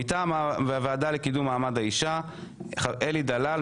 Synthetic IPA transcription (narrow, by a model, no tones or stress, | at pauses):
itamaveaveadalekidumːaːmadaiʃa | ʔelid̪alal